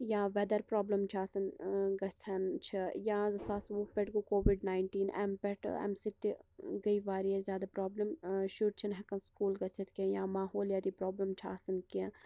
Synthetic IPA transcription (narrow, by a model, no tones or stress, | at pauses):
jaːʋɛd̪ɐɾpɾɔːblɐmt͡ʃʰaːsɐnɡɐt͡sʰɐnt͡ʃʰijaːsaːsʋopɛʈɡukoːʋiɖnaːɪɳʈiːnɛ̰mpɛʈɛ̰msit̪iɡɐiʋaːɾiɛzʲjaːd̪apɾɔːblɐmʃuɾt͡ʃʰɐnɦɐkɐnskuːlɡɐt͡ʃʰɐt̪kẽjaːmaːɦoːljaːd̪ipɾoːblɐmt͡ʃʰa̰ːsɐnkẽ